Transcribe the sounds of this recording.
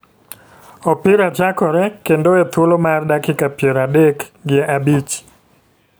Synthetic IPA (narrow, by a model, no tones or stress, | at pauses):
ɔpɪɾat͡ʃakɔɾɛkendoɛt̪wolomardakɪkapjeɾadekɡɪeʔabit͡ʃ